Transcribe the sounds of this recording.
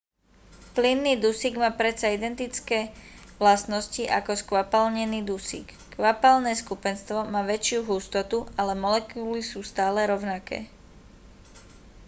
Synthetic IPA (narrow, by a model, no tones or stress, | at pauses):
plinːiːd̪usiɡmaːpɾɛsaid̪ɛnt̪it͡skɛːʋlast̪nɔsciʔa̰kɔskʋapalɲɛniːd̪usḭkː | ʋapalnɛːskupɛnst̪ʋɔmaːʋɛt͡ʃɪuɦust̪ɔt̪ualɛmɔlɛkuːlisuːst̪aːlɛɾɔʊnakɛ̰ː